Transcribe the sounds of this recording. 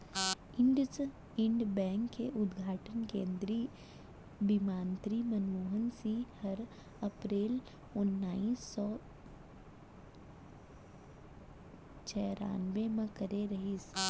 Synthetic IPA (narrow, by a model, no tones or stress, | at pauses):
ɪɳɖ | ɪ̃ɳɖbɛ̃ːŋkːeʔʊd̪ɡʱaːʈənkẽːnd̪ɾi | bimaːnt̪ɾimɐnʋuːɦənsihɐɾ | ɐpɾeːl | ʊnːaːiːsːɔː | t͡ʃɛːɾa̰ːnʋemẽkɐɾeɾɐɦis